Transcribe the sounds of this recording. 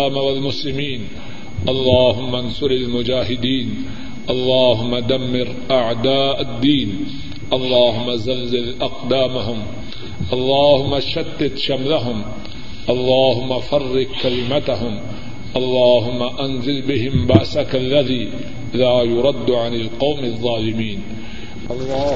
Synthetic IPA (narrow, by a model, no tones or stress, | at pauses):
aːmawalmʊslɪmiːn | ʔɑlˤːɑːɦʊmːansʊɾalmʊd͡ʒaːɦɪd̪iːn | ʔɑlˤːɑːɦʊmːad̪amːɪɾ | ʔaʕd̪aːʔad̪ːiːn | ʔɑlˤːɑːɦʊmːazalzɪlʔaqd̪aːmaɦʊm | ʔɑlˤːɑːhʊmːaʃad̪ːɪt̪ʃamlaɦʊm | ʔɑlˤːɑːɦʊmːafɑrːɪqkalɪmat̪aɦʊm | ʔɑlˤːɑːɦʊmːaʔanzɪlbɪɦɪmbaʔsakalːaðiː | ɪlaːjʊɾˤɑd̪ːʕanɪlqɑwmðˤːɑːlɪmiːn | ʔɑlː